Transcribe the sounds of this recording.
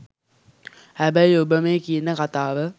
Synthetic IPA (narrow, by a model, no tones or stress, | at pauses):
hæbəjobəmeːkijənːəkat̪aːʋə